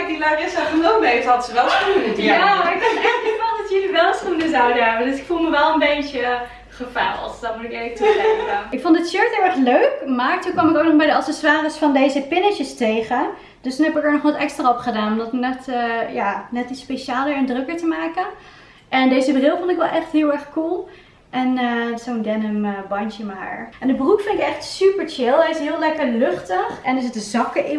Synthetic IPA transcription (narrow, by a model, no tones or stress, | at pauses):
k̚dilaɪsɛəɪlˠbejtəɦɑtəsəʋɛlˠstuəjaaɹɪkɛɪkfɔndɑtjəliʋɛlˠəstunəzawdəɦɛbədɵsɪkfulˠməʋɛlˠənbejtə | χəfɛ̰lˠtdɔtmutɪkejvətuzɛəɪkfontdətʃøɹtəɹʋɛχløɥkmaːɹtunkʋɑmɪkowknɔχbɛjdəɑtsɛswaːrəsfɑndejzəpɪnɪt͡ʃəstejχə | d̥østunɦɛpɪkəɹnɔχʋɑtɛkstraɔpχədaːnɔmdɔtnɛtəjaːnɛtispeʃaːlˠəɹɛndrøkəɹtəmaːkən | ʔɛndejzəbrɪlˠfɔntɪkʋɛlˠʔɛχtɦɪːlˠɛɹχkulˠ | ʔɛnzowndɛnəmbɑnt͡ʃəmaːɹʔɛndəbrukfɪnɪkɛχtsypəɹt͡ʃɪlˠəɪsɦɪːlˠlɛkəɹlɵχtəχɛndəsɪtəzɑkəɪ